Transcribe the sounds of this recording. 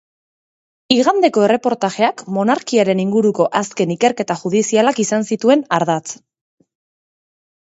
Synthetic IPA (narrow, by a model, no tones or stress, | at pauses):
iɣand̪e̞ko̞e̞re̞po̞ɾt̪aʝe̞akmo̞naɾkiaɾe̞niŋɡuɾuko̞ʔaske̞nike̞ɾke̞t̪aʝuð̞isialakisansit̪ue̞naɾðat͡s